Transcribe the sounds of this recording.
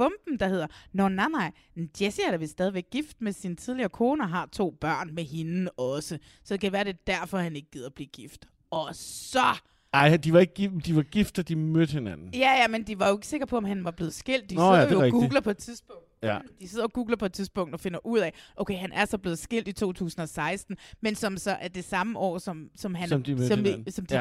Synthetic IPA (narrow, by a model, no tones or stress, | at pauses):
b̥ɔ̽mb̥n̩d̥ɑ̈ɦe̝ðˠɐnɒnɑnɑ̈ɪ̰ | nd̥jesiæɐɾ̥eʋelsd̥ɛðˠiʋeɡ̥̚ːifd̥̚mesinət͡sʰið̞ˠliɐːkʰo̝ːnəɒɦɑ̈t͡sʰo̝̰ːb̥ɶɐ̰nmeɦe̝nɒ̽sə | sɒd̥e̝kʰæʋæːɐɾ̥e̝d̥æɐ̰fɒ̽hæne̝ɡ̥̚ɡ̥ið̰ˠɐb̥liːɡ̥ifd̥ | ɒ̽ssɒ̽ | ɑɪ̰d̥iʋɑ̈e̝ɡ̥ɡid̥iʋɑ̈ɡ̥ifd̥ɐd̥imød̥he̝nænn̩jæjæmend̥iʋɑ̈joe̝ɡ̥se̝ɡ̥ɐpʰɒ̽ɒ̽mɦænʋɑ̈b̥le̝ːð̞̩ˠsɡ̥e̝l̰d̥ːḭjoɡ̥uɡlɐpʰɒ̽ed̥̚t͡sʰiðˠsb̥ɔ̽ŋd̥d̥ise̝ð̰ˠɐoɡ̥uːɡ̥lɐpʰɒ̽e̝d̥t͡sʰiðˠsb̥ɔ̽ŋ̰d̥ɒ̽fe̝nɐʔuð̰ˠɛʔoʊkʰeɪhænʔæɐsɒ̽b̥le̝ðˠsɡ̥e̝l̰d̥it͡sʰo̝̰ːt͡sʰṵːsn̩ɒ̽sɑ̈ɪsd̥n̩mensɒ̽msɒ̽ʔæd̥e̝sɑ̈məʔɒ̰ːsɒ̽msɒ̽mɦænmimsɒ̽md̥